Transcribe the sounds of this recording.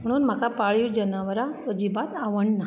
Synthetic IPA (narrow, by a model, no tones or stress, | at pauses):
m̤əɽ̃uːnm̤akapaɭjud͡ʒənaʋəɾaəd͡ʑibat̪aʋəɳna